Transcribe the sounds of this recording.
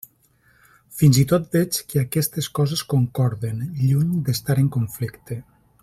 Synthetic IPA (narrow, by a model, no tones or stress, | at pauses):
finzit̪ot̪̚d̪ɛt͡ʃkeakɛst̪eskɔzeskoŋkɔɾðenʎuɲd̪est̪aɾeŋkoɱflikt̪e